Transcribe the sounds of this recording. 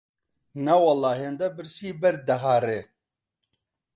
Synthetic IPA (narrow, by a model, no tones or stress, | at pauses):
nawɐlːɑːɦend̪ɐbɨɾsiːbɛɾd̪ɐɦaːɾe